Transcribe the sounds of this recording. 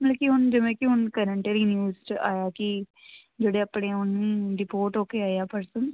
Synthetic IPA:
məlːkiɦʊnd͡ʒɪʋẽːkɪɦʊnkəɾəɳʈeːɾiːnjuːzt͡ʃa̰ːjaːki | d͡ʒeːɽeːapɳeːʊnĩːɾɪpoːʈɦoːkeːaːjaːpəɾsən

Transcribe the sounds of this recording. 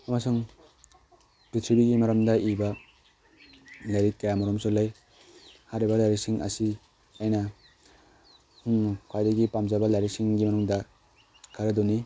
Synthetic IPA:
ɐmasuŋ | pɾitʰibiɡimɐɾɐmdɐʔibɐ | lajɾit̚kajamɔɾɔmsolaj | haɾibɐlajɾiksiŋʔɐ̰si | ajnɐ | huŋkʰwajdɐɡipamzabɐlajɾiksiŋɡimɐnuŋdɐ | kʰaɾɐdɔni

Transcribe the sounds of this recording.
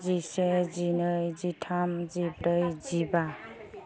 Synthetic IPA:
d͡zised͡zinʌjd͡ziʈʰamd͡zibɾʌjd͡ziba

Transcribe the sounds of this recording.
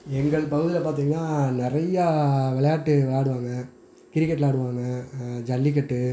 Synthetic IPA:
ɛŋɡɐɭpɐɣɯðɪlɐpaːɾt̪̬iːŋɡɐnaːnɪɾɐjaʋɛɭɐjaːʈːɯʋɛɭjaːɽɯʋaːŋɡɐ | kɪɾɪkːɐʈːlaːɽɯʋaːŋɡɐd͡ʒɐlːɪk̬ːɐʈːɯ

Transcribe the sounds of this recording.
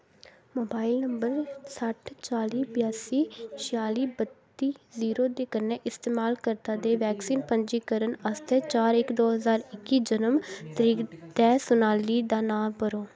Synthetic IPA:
moːbaːɪlnəmbəɾsəʈʰt͡ʃaːliːbjaːsiːt͡ʃʰɪaːliːbət̪ːiːziːɾoːd̪eːkənːẽːʔɪst̪eːmaːlkəɾt̪ãːd̪eːʋɛːksiːnpəɲd͡ʒiːkəɾənəst̪ɛːt͡ʃaːɾɪkd̪oːɦəzaːɾɪkːiːd͡ʒənəmt̪əɾiːkd̪ɛːsʊnaːliːd̪aːnaːmpəɾoː

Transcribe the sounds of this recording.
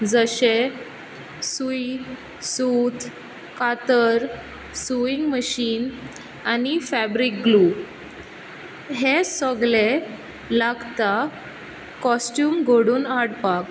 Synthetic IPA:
d͡zəɕe | sui | sut̪ | kat̪əɾ | suiŋɡməɕiːn | anifæbɾikɡluː | ɦesɔɡle | laɡt̪a | kɔsʈjuːmɡoɽuːnaɽpak

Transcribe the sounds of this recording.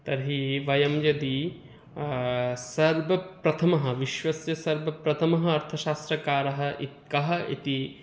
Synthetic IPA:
t̪ɐɾɦiʋɐjɐmjɐd̪i | sɐɾbɐpɾɐt̪ʰɐmɐɦɐ̆ʋiʃʋɐsjɐsɐɾbʱɐpɾɐt̪ʰɐmɐɦɐ̆ɐɾt̪ʰɐʃaːst̪ɾɐkaːɾɐɦɐ̆ʔit̪̚kɐɦɐ̆ḭt̪i

